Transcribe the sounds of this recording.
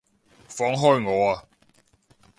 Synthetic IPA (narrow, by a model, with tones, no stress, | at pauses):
fɔ˨˥ŋɦɔ˥˧jŋɔː˨˧a˨